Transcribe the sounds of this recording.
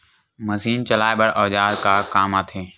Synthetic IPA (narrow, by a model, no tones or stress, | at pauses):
məziːnt͡ʃəlaːebəɽʔɔːʄaːɾkaːkaːmaːt̪ʰeː